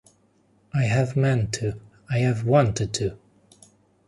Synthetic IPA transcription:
ʔaɪɨvmɛ̃ntʰʉ | aɪɨvwɑ̃ntʰɨd̚tʰɨ

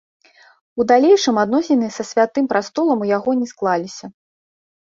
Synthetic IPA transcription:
ud̪alʲejʂɨmad̪nɔsʲinɨsɐsʲvʲat̪ɨmpɾast̪ɔlˠɐmujaɣɔnʲɛsklˠalʲisʲɐ

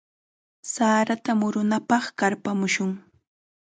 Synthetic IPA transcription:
saːɾat̪amʊɾʊnapɑχkaɾpamʊʃʊŋ

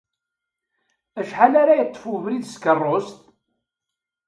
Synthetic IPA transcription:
æʃħalaɾajət̪ˤːəfuvɾiðskərˤːost̪

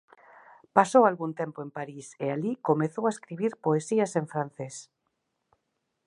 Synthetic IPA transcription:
pasowalɣunt̪empoempaɾisealikomeθowaeskɾiβ̞iɾpoesiɐseɱfɾan̟θes

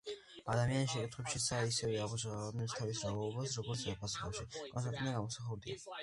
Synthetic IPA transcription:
ad̪amianisʃɛkʼit̪ʰχwɛpʃisaisɛvɛamuʃanɛpst̪ʰavisaaɔbasɾɔɡɔɾt̪sɛpʰasχa̰ʃikʼɔnst̪ʼaɾt̪ʼnaɡamɔsaχɛɾd̪ḭa̰

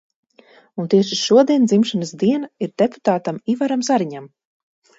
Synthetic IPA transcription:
unt̪iɛʃiʃuɔd̪iɛnd̪zimʃanasd̪iɛnaiɾd̪epu̥t̪aːt̪amivaɾamzaɾiɲam

